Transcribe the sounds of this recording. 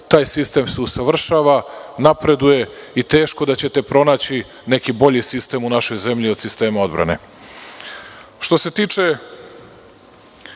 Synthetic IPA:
t̪aːjsist̪e̞mseusaʋr̩ʃaːʋanapɾe̞d̪uje̞it̪e̞ːʃko̞d̪at͡ɕe̞t̪e̞pɾo̞naːt͡ɕi | ne̞kibo̞ʎisist̪e̞ːmunaʃo̞jze̞mʎio̞d̪sist̪e̞ːmao̞d̪bɾa̰ne̞̰ | ʃt̪o̞se̞t̪iːt͡ʂe̞

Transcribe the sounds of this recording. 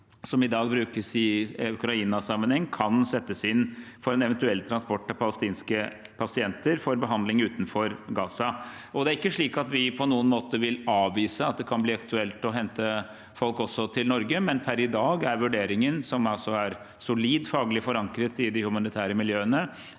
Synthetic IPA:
sɔmɪd̪ɑːɡbɾʉːkəsɪʉkɾɑiːnɑsɑmːənhɛŋːnkʰɑnsɛt̪ːəsɪnːfɔɾɛnɛʋɛnt̪ʉɛlːt̪ʰɾɑnspɔʈːɔpʰɑləst̪iːnskəpʰɑsɪɛnt̪əɾfɔɾbəɦɑnd̪lɪŋʉːt̪n̩fɔɾɡɑːsɑ | ɔd̪ɛæɾɪkːəʂɭiːkɑt̪ʋɪpʰɔnuːənmoːt̪əʋɪlɑːʋʋiːsəɑt̪̚d̪ɛkʰɑnbliːɑkt̪ʉɛlt̪ɔɦɛnt̪ə | fɔlkɔsːɔt̪ʰɪlnɔɾɡəmɛnpʰæɾɪd̪ɑːɡæɾʋʉɖeːɾɪŋənsɔmɑlsɔæɾ | sʊliːd̪fɑːɡlɪfɔɾɑŋkɾət̪ɪd̪ɪhʉmɑnɪt̪ʰæːɾəmɪljøːənə

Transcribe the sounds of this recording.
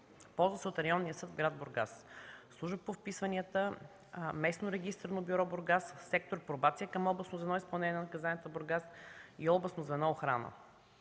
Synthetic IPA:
pɔlˠzvəsɛot̪ɾɐjɔnːijəsɤd̪vɡɾad̪̚boɾɡa̰sslˠuʒəpofpisvɐniət̪ə | mɛsnoɾɛɡʲist̪əɾnobiɾɔboɾɡasːɛk̚t̪oɾpɾobat̪sijəkəmɔlˠblˠɐsnozvɛnɔispɐlˠnɛnʲɲʲjɛnnɐkɐzanʲət̪əboɾɡasiɔlˠblˠəsnozvɛnɔoxɾa̰nə̰

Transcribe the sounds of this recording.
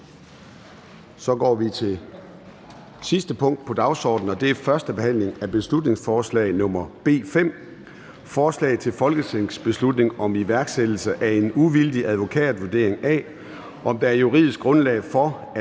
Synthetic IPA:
sɒ̽ɡ̥ɒ̰ːʋit͡sʰe̝ | sisd̥əpʰɔ̽ŋ̰d̥̚pʰɒ̽d̥ɑ̈ʊsɒ̰ːd̥n̩ɒ̽d̥e̝æfɶɐsd̥əb̥e̝hæn̰le̝ŋæb̥e̝slud̥ne̝ŋsfɒːslɛ̰ɪnɔ̽m̰ɐb̥e̝̰ːfem̰ | fɒːslɛ̰ːɪt͡sʰe̝lfɒ̽lɡ̥ət͡sʰḛsb̥e̝slud̥ne̝ŋɒ̽miʋæɐɡ̥sed̥l̩səʔæe̝nuʋild̥iʔæðˠʋo̝kʰɛ̰ːd̩ˠʋuɐd̥e̝ɐ̰e̝ŋæ̰ː | ʔɒ̽md̥ɑ̈æɐjuʁið̞̰ˠisɡ̥ʁɔ̽nlɛ̰ɪfɒ̽

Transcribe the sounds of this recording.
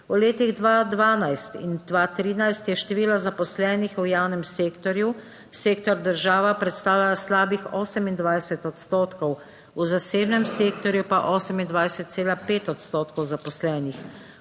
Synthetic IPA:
uleːt̪iɣd̪ʋaːd̪ʋaːnajst̪ḭnd̪ʋaːt̪ɾiːnajst̪jɛʃt̪ɛʋiːlazapɔslɛːnixujaːwnɛmseːkt̪ɔɾju | seːkt̪ɔɾd̪əɾʒaːʋapɾɛt̪st̪aːwlʲaslaːbixɔːsɛmind̪ʋajsɛt̪ɔt̪st̪oːt̪kɔw | uzaseːbnɛmseːk̚t̪ɔɾjupaʔɔːsɛmind̪ʋajsɛt̪̚seːlapeːt̪ɔt̪st̪oːt̪kɔwzapɔslɛːnix

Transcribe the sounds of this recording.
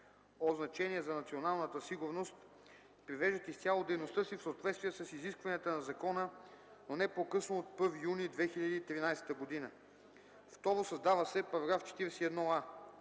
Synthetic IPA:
oznɐt͡ʃɛniɛzɐnɐt̪sionalˠnət̪əsiɡʊɾnost̪ | pɾivɛʒd̪ət̪ʲist̪ʲjalˠod̪ɛjnost̪əsifsoot̪vɛt̪st̪viɛsəsiziskvɐniət̪ənɐzɐkɔnə | nonɛpokɤsnoːt̪̚pɤɾvijunid̪vɛxiʎʲɐd̪iːt̪ɾinajsɛ̥t̪əɡod̪inə | ft̪ɔɾosɐzd̪avəsɛpɐɾɐɡɾaft͡ʃɛ̥t̪iɾɛsiɛd̪nɔa

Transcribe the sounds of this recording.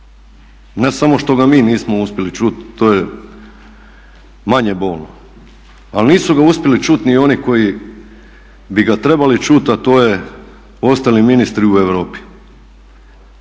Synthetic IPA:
ne̞samo̞ʃt̪o̞ɡamiːniːsmouspʲje̞lit͡ʃut̪ːoːje | maɲebo̞ːlno | alniːsuɡauspʲje̞lit͡ʃut̪nio̞niko̞ji | biɡat̪ɾe̞balit͡ʃut̪at̪o̞ːje | o̞st̪aliminist̪ɾiueʋɾoːpi̥

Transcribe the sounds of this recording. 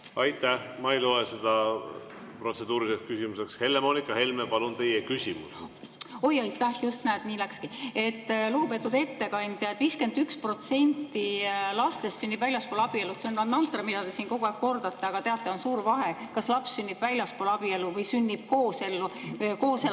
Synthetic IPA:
ɑjt̪ːˑæhmɑejlo̞esed̪̥ɑ | pro̞t̪se̞d̪uːɾisekskysʲimuse̞kshe̞lːemonʲikːˑɑhe̞lmepɑlunt̪e̞jekysʲimus | o̞jɑjt̪ːˑæhjust̪næːd̪niːlækskie̞t̪ːluɡ̥upe̞t̪ːˑud̪e̞t̪ːe̞kɑnʲd̪̥jɑet̪viːske̞nd̪ykspro̞t̪se̞nʲt̪ːilɑst̪e̞st̪synːib̥vælʲjɑspoːlɑb̥ielut̪seonnɑd̪nɑnt̪ːˑrɑmid̪ɑd̪̥e̞siːnko̞ɡuæːɡ̥̚ko̞rd̪̥ɑt̪ːe̞ɑɡ̥ɑt̪e̞ɑt̪ːˑeo̞nsuːɾvɑɦe̞kɑslɑpssynʲːib̥vælʲjɑspolɑb̥ie̞luvɤjsynʲːib̥̚ko̞ːse̞lːuko̞ːse

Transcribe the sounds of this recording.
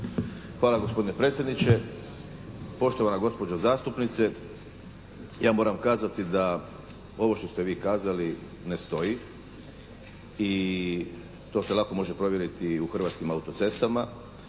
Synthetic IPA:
xʋaːlaɡospo̞d̪inepɾe̞t̪sʲjed̪nit͡ɕe | po̞ʃt̪oʋanaɡo̞spo̞d͡ʑazaːst̪upnit̪se | jaːmo̞ːɾamkaːzat̪id̪a | o̞ʋo̞ʃt̪o̞st̪eʋiːkaːzali | nest̪o̞ji | i | t̪o̞ːselˠako̞mo̞ʒepɾo̞ʋje̞ɾit̪iuxrʋat̪skimaut̪o̞t̪se̞st̪ama

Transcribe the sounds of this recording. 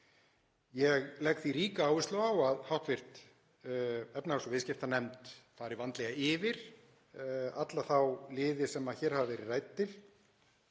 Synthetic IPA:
jɛɣlɛkθiɾiːkaaːwvɪslawawaðhawht̪vɪr̥t̪ | ɛpnahasɔvɪðscɪft̪anɛmt̪faːðɾɪvant̪lɛɣaɪvɪɾ̥ | at̪laθawlɪːðɪsɛmaçɛːɾ̥havvɛɾɪrajt̪̚ːɪl

